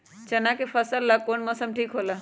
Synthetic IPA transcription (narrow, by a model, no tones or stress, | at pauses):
t͡ʃɐnakepʰəsəlːakonməsəmʈʰiːkɦoːla